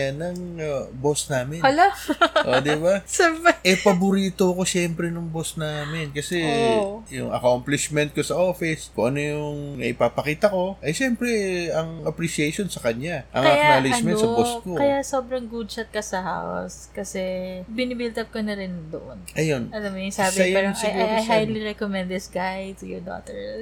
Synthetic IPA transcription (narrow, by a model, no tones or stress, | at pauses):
anɐŋbosnaːmɪɐlafʔod̪ibasɐmɐʔɛpɐbʊɾiːt̪oɐko̞ʃɛmpɾɛnʊŋbo̞snaːmɪnkɐsɛjʊŋɐ̰komplɪsmɛnt̪̚kosɐʔo̞ːfɪskʊŋʔɐnojʊŋnɐʔɪpapɐkiːt̪ɐko̞ʔɐjʃɛmpɾɛɐŋʔɐpɾiʃɪɛjʃonsɐkɐɲaʔɐ̰ŋkɐjaalɪsmɛnsɐboskokɐjaʔso̞ːbɾɐŋɡud̪̚ʃɐt̪̚kɐsɐha̰wskɐsɛbɪnɪbɪlt̪ɐt̪̚konɐɾɪnd̪oʔonʔɐjonʔɐlɐmɐjɪŋsaːbɪɐjsɪuɐjhajliɾɛkomɛ̃nd̪ɪsɡajt̪ʊjɔɹd̪o̰t̪ɛɹ